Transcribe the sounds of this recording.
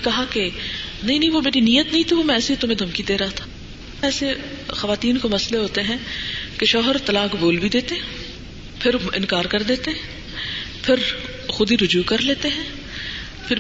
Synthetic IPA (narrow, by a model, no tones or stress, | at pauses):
kɐɦakenɐɦĩnɐɦĩʋomeːɾinijət̪nɐɦĩt̪ʰiʋomɛ̃ɛːseit̪ʊmẽd̪ʱɐmkid̪eːɾɐɦat̪ʰḁː | ɛːsexɐʋaːt̪iːnkomɐsleɦoːt̪eɦɛ̃ːkeʃɔːɦəɾt̪ɐlaːkboːlbʱid̪eːt̪eɦɛ̃ | pʰɪɾɪ̰̃nkaːɾkɐɾd̪eːt̪eɦɛ̃ | pʰɪɾ | xʊd̪iɾʊd͡ʒuːkɐɾleːt̪eɦɛ̃ː | pʰɪɾ